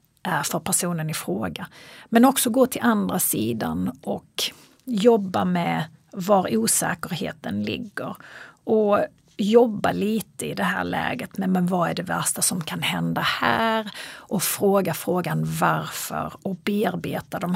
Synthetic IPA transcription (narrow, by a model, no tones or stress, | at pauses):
ʔæɾfœɾpʰæʂuːnənɪfɾoːɡamɛnɔksɔɡoːt̪ʰɪlʔand̪ɾasiːd̪a̰nɔk | jɔbːamɛ | vaɾuːsɛ̰ːkəɾhḛːt̪ənlɪ̰ɡːəɾɔ | jɔbːaliːt̪əɪd̪ɛɦæ̰ːɭɛ̰ːɡət̪mɛmɛnvaæɖɛvæʂʈasɔmkʰanhɛnd̪ahæːɾʔɔfɾoːɡafɾoːɡanvaɾfœ̰ɾɔbeːaɾbeːt̪ad̪ɔm